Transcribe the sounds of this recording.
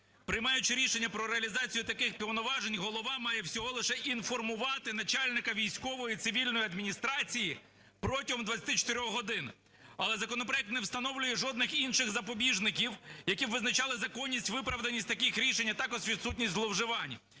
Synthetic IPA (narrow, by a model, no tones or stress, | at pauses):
pɾɪjmɑjʊt͡ʃɪɾʲiʃenʲːɐpɾɔɾeɐlʲizɑt͡sʲijʊt̪ɐkɪxpʲiwnɔʋɑʒenʲɦɔlˠɔʋɑmɑjɛwsʲɔɦɔlˠɪʃɛʔinfɔrmʊʋɑt̪ɪnɐt͡ʃɑlʲnɪkɐʋʲijsʲkɔʋɔjit̪sɪʋʲilʲnɔjiɐd̪mʲinʲist̪ɾɑt͡sʲiji | pɾɔtʲiɦɔmd̪ʋɐt͡sʲɐ̥t̪ɪt͡ʃɔ̥t̪eɾʲɔxɦɔd̪ɪn | ɐlˠɛzɐkɔnɔpɾɔjɛk̚t̪nɛwst̪ɐnɔwlʲʊjɛʒɔd̪nɪxinʃɪɣzɐpɔbʲiʒnɪkʲiwjɐkʲiʋɪznɐt͡ʃɑlˠɪzɐkɔnʲːisʲtʲʋɪpɾɐʋd̪ɐnʲisʲtʲt̪ɐkixɾʲiʃenʲːɐt̪ɑkɔʒʋʲid̪sut̬ʲnʲisʲtʲzlˠɔwʒɪʋɑnʲɐ